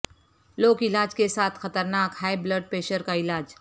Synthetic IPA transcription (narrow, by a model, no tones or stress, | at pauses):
loːkɪlaːd͡ʒkesaːt̪ʰxɐt̪əɾnaːkhaːebləɖ̚peːʃəɾkaɪlaːd͡ʒ